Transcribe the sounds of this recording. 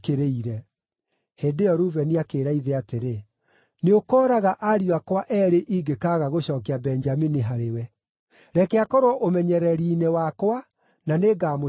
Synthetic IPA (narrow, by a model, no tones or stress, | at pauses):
keɾeiɾɛ | heːndeɔɾuvɛniakeːɾaiðeateɾe | neokɔːɾaɣaʔaɾiwakwaʔɛɾeʔiɡekaɣaɣoɕɔːkabɛnd͡ʒaminiɦaɾewɛ | ɾɛkɛakɔɾwɔʔomɛɲɛɾɛɾinewakwa | naneːɡaːmo